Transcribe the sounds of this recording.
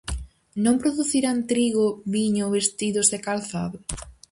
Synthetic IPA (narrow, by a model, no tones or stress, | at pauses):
nõmpɾoðuθiɾant̪ɾiɣʊβiɲʊβest̪iðʊzðekalθaðʊ